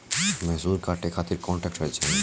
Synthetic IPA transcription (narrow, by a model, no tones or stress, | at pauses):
mesuɾkaʈekʰat̪iɾkɔɳʈɛk̚ʈɦojet͡ɕʰen